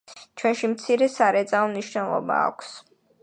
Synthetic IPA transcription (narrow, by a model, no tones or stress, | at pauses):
t͡ʃʰwɛnʃimt̪sʰiɾɛsaɾɛt̪sʼaɔmniʃnɛlˠɔ̰ba̰ːkʷʰs